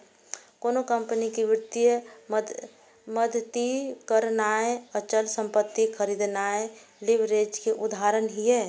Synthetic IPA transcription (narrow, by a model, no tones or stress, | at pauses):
koːnokəmpənikiʋɪɾt̪ijə | məd̪ʱt̪ikəɾnaːeət͡ʃəlsə̃mpət̪ːikʰəɾid̪naeliʋɾed͡ʒkeʔʊd̪ʱaːɾənɦiɦɛ